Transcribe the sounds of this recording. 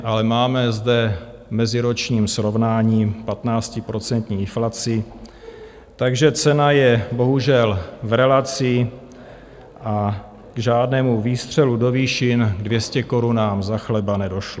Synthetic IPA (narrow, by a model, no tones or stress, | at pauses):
ʔalɛmaːmɛzdɛ | mɛzɪɾo̞t͡ʃɲiːmsɾo̞vnaːɲiːpat̪naːt͡scɪpɾo̞t͡sɛnt̪ɲiːɪnflat͡sɪ | t̪aɡʒɛt͡sɛnajɛbo̞ɦuʒɛlvɾɛlat͡sɪ | ʔa | ɡʒaːdnɛːmuviːst̪r̝̥ɛludo̞viːʃɪnɡdvjɛscɛko̞ɾunaːmzaxlɛbanɛdo̞ʃlo